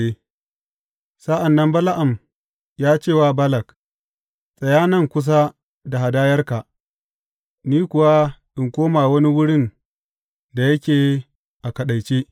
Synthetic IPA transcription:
e˦ | sa˦ʔa˨nːɐ˦mbɐ˦la˦ʔa˨m | jaː˦t͡ʃeː˦˨waː˦bɐ˦lɐ˨k | sʼɐ˨jaː˦nɐ˦˨ŋkʷʊ˦s̬a˦ | da˨ha˨daː˦jɐ˦rka˨ʔ | niː˦kʷʊ˨wa˦ʔɪ˨ŋkʷoː˦maː˨wɐ˦ni˦wʊ˦ɽɪ˦˨n | da˨jɐ˦kʲeː˨ | ʔa˨kɐ˨ɗa˨jt͡ʃeː˦

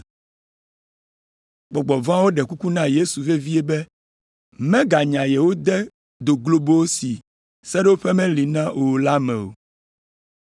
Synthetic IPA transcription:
ɡ͡bɔ˨ɡ͡bɔ˨vã˦wo˦ɖɛ˨ku˦ku˦nã˦je˦su˨ve˦vi˦ɛ˦bɛ˦ | mɛ̃˦ɡa˨ɲã˨jɛ˨wo˦d̪ɛ˦ | d̪o˨ɡlo˨bo˦wo˦si˨ | sɛ˦ɖɛ˦wo˦ɸɛ˦mɛ̃˦li˨nã˦o˨la˦mɛ̃˨o̰˨

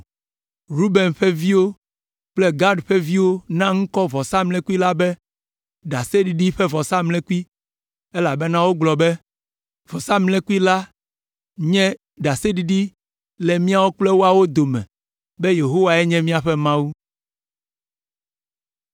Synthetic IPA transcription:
ɾu˦be˨nɸɛ˦vi˦wo˦ | k͡plɛ˦ɡa˦ɖɸɛ˦vi˦wo˦nã˦ŋ̩̃˦kɔ˦vɔ˨sa˦mlɛ̃˦ku˦i˦la˦bɛ˦ | ɖa˨se˦ɖi˨ɖi˦ɸɛ˦vɔ˨sa˦mlɛ̃˦ku˦i˦ | e˦la˨bɛ˦nã˦wo˦ɡ͡blɔ˨bɛ˦ | vɔ˨sa˦mlɛ̃˦ku˦i˦la˦ | ɲɛ̃˦ | ɖa˨se˦ɖi˨ɖi˦ | lɛ˨mĩ˦a˦wo˦k͡plɛ˦wo˦a˨wo˦d̪o˨mɛ̰̃˨ | bɛ˦je˨ɦo˦wa˨ɛ˦ɲɛ̃˦mĩ˦a˨ɸɛ˦mã˦wu˦

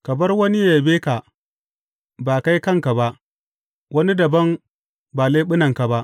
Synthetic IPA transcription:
kɐ˨mɐ˦rwɐ˦ni˦ja˨beː˦ka˨ | baː˨ka˦jkɐ˦˨ŋka˨ba˦ʔ | wɐ˦ni˦dɐ˨bɐ˦m | baː˨leː˦ɓɪ˦nɐ˨ŋka˨ba˦ʔ

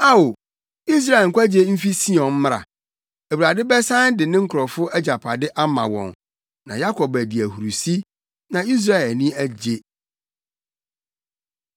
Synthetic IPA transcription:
a˦o˨ | i˦s̬ɾa˦˨ɛ˨ŋ̩˨kʷa˦d͡ʑe˦m̩˦fi˦si˦ɔ̃˨n̩˦m˦ɾa̰˨ | æ˨wu˨ɾa˨dɪ˦bɛ˦sã˦n˦dɪ˨nɪ̃˦ŋ̩˦kʰʊ˨ɾɔ˨fʊ˦æ˦d͡ʑa˨pʰa˨dɪ˦ʔa˦mã̰˨wɔ̰̃˨n | nã̰˨ja˦kʰɔ˨bæ˨di˨æ˨hu˨ɾu˨si˦ | nã˨i˦s̬ɾa˦ɛ˨lnĩ˦æ˦d͡ʑe˦

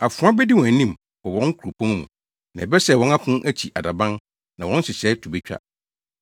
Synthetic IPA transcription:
a˨fʊ̃˨˦ã˦bɛ˦di˦wɔ̃˨æ˨nĩ˦m | bɔ˨wɔ̃˦ŋ˦kʰu˨ɾo˨pʰɔ̃˦n˦mṵ̃˨ | nã˨ɛ˨bɛ˦sɛ˨wɔ̃˦na˦kʰʊ̃˦ʔæ˦t͡ɕʰi˨ʔa˨da˨bã˦n | nã˨wɔ̃˦n˦sɪ˨ɕɛ˨˦tʰu˨bɛ˦t͡ɕᶣa̰˦

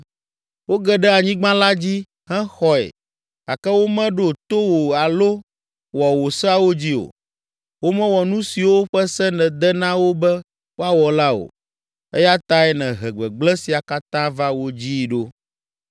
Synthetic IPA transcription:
wo˦ɡɛ˨ɖɛ˦a˨ɲĩ˦ɡ͡bã˦la˦d͡ʑi˦ | hɛ̃˦xɔ˦ɛ̰˨ | a˨kɛ˦wo˦mɛ̃˦ɖo˨t̪o˦wo˨a˨lo˦ | wɔ˨wo˨sɛ˦a˦wo˦d͡ʑi˦o̰˨ | wo˦mɛ̃˦wɔ˨nũ˦si˨wo˦ɸɛ˦sɛ˦nɛ̃˨d̪ɛ˦nã˦wo˦bɛ˦ | wo˦a˦˨wɔ˨la˦o̰˨ | ɛ˦ja˦t̪a˦ɛ˦nɛ̃˨ɦɛ˨ɡ͡bɛ˨ɡ͡blɛ˦si˨a˨ka˦t̪ã˦va˦wo˦d͡ʑi˦ɖo˦

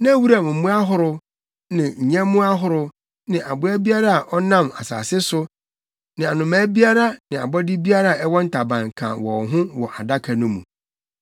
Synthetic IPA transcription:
nã˦wu˦ɾa˨mʊ̃˨m̩˦mũ˦a˦ɦʊ˦ɾʊ˦ | nɪ̃˨ɲ̩˨ɲɛ̃˦mʊ̃˦a˦ɦʊ˦ɾʊ˦ | nɪ̃˨ʔa˨bʊ˨˦æ˦bi˦a˦ɾa˦a˨ʔɔ˦nã˦˨ma̰˨sa̰ː˨sɪ˦sʊ˦ | nɪ̃˨a˨nʊ̃˨mãː˨˦bi˦a˦ɾa˦nɪ̃˨a̰˨bɔ˦dɪ˦bi˦a˦ɾa˦˨a˨ɛ˦wɔ̃˦n̩˦tʰa˨bã˨ŋkʰã̰˨wɔ˨ɦʊ̃˦wɔ˨ʔa˨da˦kʰa˨nʊ̃˦mṵ̃˨

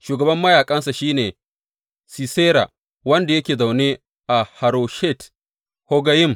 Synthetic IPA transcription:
ʃuː˨ɡɐ˨bɐ˦mːɐ˦jaː˨kʼɐ˦nsa˨ʃiː˦neː˨ | si˨seː˦ɾa̰˨ | wɐ˦nda˨jɐ˦kʲeː˨za˨wneː˦ | ʔa˨ha˨ɾo˨ʃe˦˨t | ho˦ɡɐ˦jɪ˦˨m

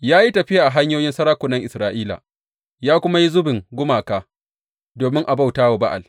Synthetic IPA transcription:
jaː˦ji˦tɐ˨ɸɪ˦ja˨ʔa˨ɦa˦ɲjoː˦jɪ˦nsɐ˦ɾaː˦kʷʊ˨nɐ˦ŋʔɪ˨sɾaː˦ʔiː˦la̰˨ | jaː˦kʷʊ˦ma˦ji˦zʊ˦bɪ˨ŋɡʷʊ˦maː˨kaː˦ | doː˨mɪ˦ŋʔa˨ba˦wtaː˦wa˨ba˦ʔa̰˨l

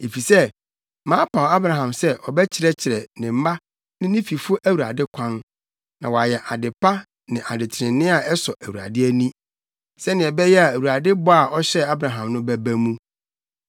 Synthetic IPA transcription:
e˨fi˨sɛ˦ | mãː˦pʰa˨wa˦bɾã˨ɦã˨msɛ˦ʔɔ˨bɛ˦t͡ɕʰɪ˨˦ɾɛ˦t͡ɕʰɪ˨ɾɛ˨nɪ̃˨m̩˦ma˦ | nɪ̃˦nĩ˦fi˨fʊ˦ʔæ˦wu˨ɾa̰˨dɪ˦kʷʰã˦n | nã˨wɔ˨a˨jɛ˨ʔa˨dɪ˨pa˦ | nɪ̃˨ʔa˨dɪ˨tʰɪ˨ɾɪ̃˨nɪ̃˦a˨ɛ˦sɔ˨ʔæ˨wu˨a̰˨dɪ˦æ˦nĩ˦ | sɛ˦nɪ̃˨ɛ˨bɛ˦jɛ˦a˨æ˨wu˨ɾa˨dɪ˦bɔ˦a˨ɔ˦ɕɛ˦a˦bɾã˨ɦã˨mnʊ̃˦bæ˦bæ˦mũ˦

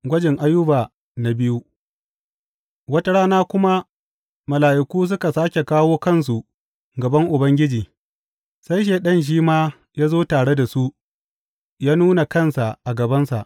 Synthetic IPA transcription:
ɡʷɐ˦d͡ʒɪ˨ŋʔa˦jːʊ˦ba˨ | na˨bɪ˦ju˦ | wɐ˦ta˦ɽaː˦naː˦kʷʊ˦ma˦ | mɐ˨laː˨ʔɪ˨kʷuː˦s̬ʊ˦ka˨saː˦kʲe˨kaː˦woː˦kɐ˦˨ns̬u˨ | ɡɐ˨bɐ˦ŋʔʊ˨bɐ˦ŋɡʲɪ˦d͡ʒiː˨ | sa˦jʃ̬eː˨ɗɐ˦˨nʃ̬iː˦maː˦ | jaː˦zoː˦taː˨ɽe˦da˨su˦ʔ | jaː˦nuː˦na˨kɐ˦nsa˨ʔa˨ɡɐ˨bɐ˦nsa̰˨ʔ

